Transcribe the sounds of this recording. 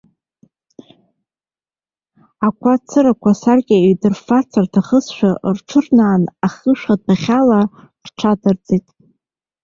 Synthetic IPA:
akʷʰat͡sʰɨɾakʷʰasarɡʲɪidɨrfat͡sʰartʰaχəsʃᶣarʈ͡ʂʰɨrnaːnaχəʃᶣad̚aχʲala | rʈ͡ʂʰadard͡zetʼ

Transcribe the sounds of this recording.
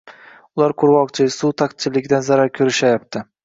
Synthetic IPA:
ʊlˠaɾqʰʊɾwɒqt͡ʃʰɪsut̪ʰaqt̪̚t͡ʃʰɪlɪɡʲd̪anzaɾaɾkʲʰɵɾɪʃajap̚t̪ʰɪ

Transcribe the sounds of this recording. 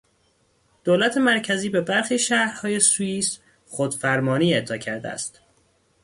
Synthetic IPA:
d̪̥oːlæt̪ʰe̞mæɾcʰæziːbe̞bæɾxiːʃæhɾhɒːje̞suiːs | xod̪̥fæɾmɒːniːet̪ʰːɒːcʰæɾd̪ḛæ̰st̪

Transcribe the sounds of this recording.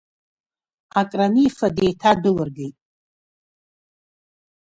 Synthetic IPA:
akʼraniːfadejtʰadɨlɨrɡʲejtʼ

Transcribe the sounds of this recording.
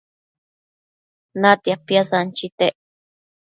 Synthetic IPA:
nat̪iapjasant͡ʃit̪eʔ

